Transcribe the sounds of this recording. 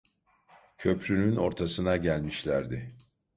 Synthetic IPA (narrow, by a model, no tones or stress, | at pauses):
cʰø̞pʰɾynyno̞ɾt̪ʰasɯnaɟælʲmiʃlʲæɾd̪ɪ